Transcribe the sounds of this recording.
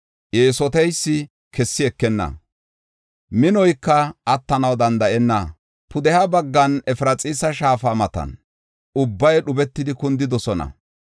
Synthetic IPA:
ʔjeːsɔt̪ɛjsːɪ | kɛsːɪɛkːɛnːɐ̰ | mɪnɔjkːɐɐt̪ːɐnɐwd̪ɐnd̪ɐʔɛnːɐ | pʰʊd̪ɛhɐbɐɡːɐnɛfɾɐt͡sʼiːsɐʃaːfamɐt̪ɐ̰n | ʊbːɐjɗʊbɛt̪ːɪd̪ɪkʊnd̪ɪd̪ɔsɔnɐ̰

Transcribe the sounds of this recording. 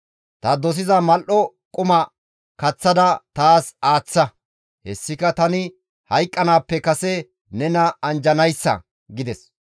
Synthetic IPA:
t̪ɐd̪ɔs̬ɪzɐmɐlʔɔ | kʼʊmɐ | kɐt͡sːɐd̪ɐt̪aːsaːt͡sːɐ | hɛ̰sːɪkɐt̪ɐnɪ | hɐjkʼːɐnaːpːɛkɐsɛ | nɛnɐɐnd͡ʒɐnɐjsːɐ̰ | ɡɪd̪ɛs

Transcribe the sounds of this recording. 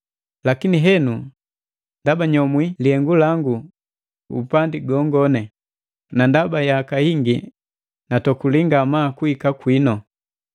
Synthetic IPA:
lakiniɦɛnu | ndabaɲɔmwiliɛŋɡulaŋɡu | ṵpandiɡɔŋɡɔnɛ | nandabajakahiŋɡi | natɔkuliŋɡamakuikakwinɔ

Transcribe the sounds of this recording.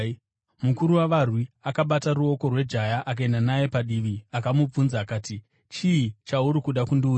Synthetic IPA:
mukuɾuwaʋarwiakaɓataruo̞ko̞rwe̞d͡ʒajaʔak̬ae̞ndanaje̞paɗiʋiakamub͡vunzaːkaːti | t͡ʃiːt͡ʃauɾikuɗakundiuː

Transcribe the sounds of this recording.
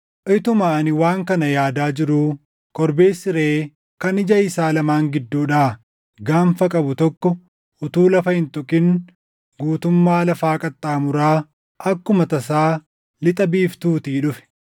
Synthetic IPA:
ʔɪt̪ʊmaːɐnɪwaːŋkɐnɐjaːd̪aːd͡ʒɪɾuː | kʼɔɾbe̞ːsːɪɾeː | kɐnɪd͡ʒɐɪsaːlɐmaːŋɡɪd̪ːuːᶑaː | ɡaːmfɐkʼɐbʊt̪ɔkːɔ | ʊt̪uːlɐfɐhɪnt̪ʊkʼɪŋ | ɡuːt̪ʊmːaːlɐfaːkʼɐt̪ʼːaːmʊɾaː | ʔɐkːʊmɐt̪ɐs̬aː | lɪt̪ʼɐbiːft̪uːt̪iːᶑʊfɛ̥

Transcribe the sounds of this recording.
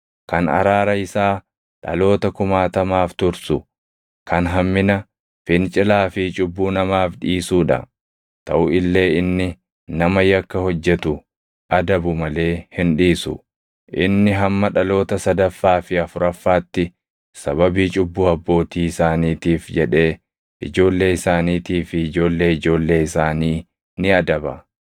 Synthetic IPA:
kɐnɐ̰ɾaːɾɐɪsaː | ᶑɐ̰lo̞ːt̪ɐkʊmaːt̪ɐmaːft̪ʊɾsʊ | kɐnɦɐmːɪnɐ | fɪnt͡ʃʼɪlaːfɪt͡ʃʼʊbːuːnɐmaːfᶑiːsuːᶑɐ̰ | t̪ɐʔʊɪlːe̞ːɪnːɪ | nɐmɐjɐkːɐhɔd͡ʒːɛt̪ʊ | ʔɐd̪ɐbʊmɐle̞ːhɪnᶑiːsʊ̰ | ʔɪ̰nːɪɦɐmːɐᶑɐlo̞ːt̪ɐsɐd̪ɐfːaːfɪɐfʊɾɐfːaːt̪ːɪ | sɐbɐbiːt͡ʃʼʊbːuːɐbːo̞ːt̪iːɪsaːniːt̪iːfd͡ʒɛᶑe̞ː | ʔɪ̰d͡ʒo̞ːlːe̞ːɪsaːniːt̪iːfɪɪd͡ʒo̞ːlːe̞ːɪd͡ʒo̞ːlːe̞ːɪsaːniː | nɪɐd̪ɐbɐ

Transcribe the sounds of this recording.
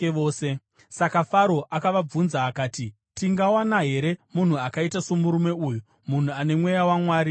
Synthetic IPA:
oːse̞ | sakafaɾo̞ʔakaʋab͡vunzaːkaːti | tiŋɡawanaɦe̞ɾe̞mun̤uakaitaso̞muɾume̞uːju | mun̤uane̞mwe̞jawamwaːɾi

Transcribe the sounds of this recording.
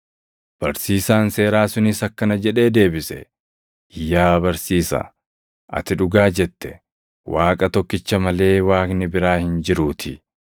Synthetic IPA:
b̥ɐɾsiːsaːnse̞ːɾaːsʊnɪsɐkːɐnɐd͡ʒɛᶑe̞ːd̪e̞ːbɪsɛ̰ | ɪjːaːbɐɾsiːsɐ̰ | ʔɐ̰t̪ɪᶑʊɡaːd͡ʒɛt̪ːɛ | waːkʼɐt̪ɔkːɪt͡ʃːɐmɐle̞ːwaːknɪbɪɾaːhɪnd͡ʒɪɾuːt̪ʰɪ

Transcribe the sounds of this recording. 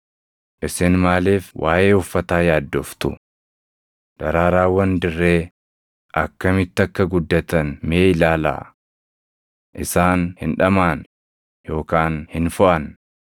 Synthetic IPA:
ʔɪsɛnmaːleːfwʔaːʔeːʊfːɐt̪aːjaːd̪ːoːft̪ʊ̰ | d̪̥ɐɾaːɾaːwːɐnd̪ɪrːeː | ʔɐkːɐmɪt̪ːɐkːɐɡʊd̪ːɐt̪ɐnmeːɪlaːla̰ː | ʔɪsaːnhɪnᶑɐmaːn | jo̞ːkaːnhɪnfʊʔɐn

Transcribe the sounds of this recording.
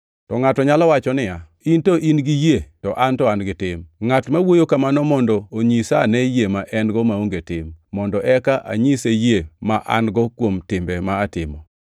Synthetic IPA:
tɔŋatɔɲalɔwat͡ʃɔnɪja | intoʔinɡijetɔʔantɔanɡɪtɪmŋatmawojokamanɔmɔndɔoɲisanejemaʔɛnɡɔmaoŋɡetɪmːɔndɔʔɛkaʔa̰ɲisejemaʔa̰nɡɔkwomtɪmbɛmaːtɪmɔ

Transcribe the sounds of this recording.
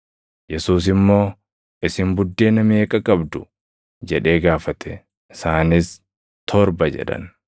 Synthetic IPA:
jɛsuːs̬ɪmːo̞ː | ʔɪsɪmbʊd̪ːe̞ːnɐmeːkʼɐkʼɐbd̪ʊ | d͡ʒɛᶑe̞ːɡaːfɐt̪ʰɛ | ɪsaːnɪs | t̪ʰɔɾbɐd͡ʒɛ̰ᶑɐ̰n

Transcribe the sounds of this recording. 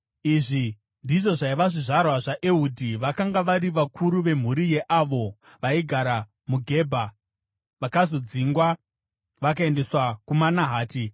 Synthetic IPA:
iʐi | ndiʐo̞ʐaiʋaʐiʐarwaʐaʔeudʱiʋakaŋɡaʋaɾiʋakʰuɾuʋe̞m̤uɾije̞ʔaʋo̞ | ʋaiɡʱaɾa | muɡʱe̞bʱa | ʋakazo̞d͡ziːŋɡwa | ʋak̬ae̞nde̞swakumanaɦaːti

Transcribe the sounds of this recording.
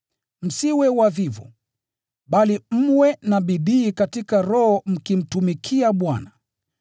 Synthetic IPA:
m̩siwɛwavivɔ̰ | ɓalim̩wɛnaɓiɗiːkatikaɾɔhɔm̩kim̩tumikʰiaɓwa̰na

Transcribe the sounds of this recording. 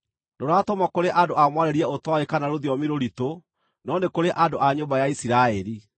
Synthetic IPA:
doɾatomakoɾeʔandoʔamwaɾeɾiɛotwaekanaɾoðjɔmiɾoɾito | nɔndekoɾeʔadoʔaɲombajaisiɾaɛɾi

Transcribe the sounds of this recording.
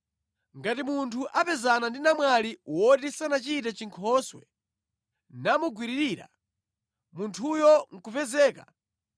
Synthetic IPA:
ŋɡatimuntʰuʔapɛzanandinamwaliwɔtisanat͡ʃitat͡ʃiŋkʰɔswɛ̰ | namuɡwiɾiɾiːɾa̰ | muntʰujɔŋ̩kupɛzɛːka

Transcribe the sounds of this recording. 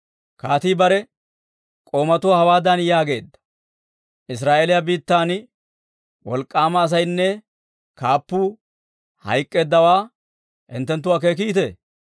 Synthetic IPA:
kaːt̪iːbɐɾɛ | kʼo̞ːmɐt̪ʊwaːhɐwaːd̪ɐnjaːɡe̞ːd̪ːɐ̥ | ʔɪs̬ɾaːʔeːlɪjɐbiːt̪ːaːn | wɔ̰lkʼːaːmɐːs̬ɐjnːɛ | kaːpːuː | hɐ̰jkʼːeːd̪ːɐwaː | hɪ̰nt̪ːɛnt̪ːʊwaːk̬ek̬iːt̪e

